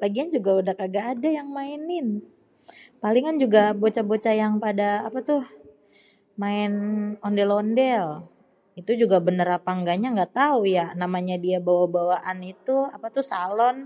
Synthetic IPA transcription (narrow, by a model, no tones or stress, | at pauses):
laɡiand͡ʒuɡaudahkaɡaːdajaŋmainɪn | palɪŋand͡ʒuɡabot͡ʃabot͡ʃajaŋpadaːpat̪ʊh | maɪnɔndɛlondɛl | it̪ud͡ʒuɡabənəɾapaŋɡaɲaŋɡat̪aujanamaɲadiabawabawaʔanit̪uapat̪ʊhsalɔn